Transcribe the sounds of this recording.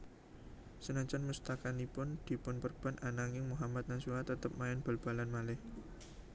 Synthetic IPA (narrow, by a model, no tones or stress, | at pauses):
sənaɲt͡ʃanmust̪akanipʊnd̪̥i̤pʊnpərb̥a̤nʔanaŋɪŋmuɦamat̪̚nasuat̪ət̪əp̚maɪnb̥ə̤lb̥a̤lanmalɪh